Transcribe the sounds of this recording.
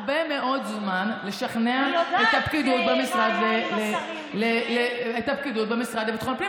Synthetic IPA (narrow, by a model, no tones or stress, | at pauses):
bemeʔo̞d̪zmanle̞ʃaχneaet̪apkid̪ut̪̚bemisʁad̪lele | leleet̪apkid̪ut̪̚bemisʁad̪lebit̪χonpli